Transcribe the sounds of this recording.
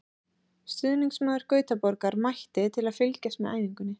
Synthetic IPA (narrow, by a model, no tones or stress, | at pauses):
st̪ʏðniŋksmaːðɪɾ̥kœːɥt̪apɔɾkaɾmajht̪ɪt̪ʰɪlaðfɪlcast̪mɛða̰ːjviŋkʏnːɪ